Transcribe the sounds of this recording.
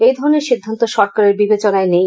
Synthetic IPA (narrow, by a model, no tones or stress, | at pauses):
ejd̪ʱɔɾoneɾʃid̪ʱːant̪oʃɔɾkaɾeɾbibet͡ɕonaenej